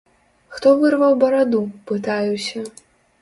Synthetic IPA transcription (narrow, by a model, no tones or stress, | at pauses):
xt̪ɔvɨrvɐwbɐɾad̪upɨt̪ajusʲɐ